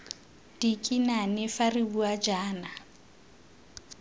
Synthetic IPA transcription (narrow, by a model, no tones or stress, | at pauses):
d̥ikʼinanɪfaribuad͡ʒaːna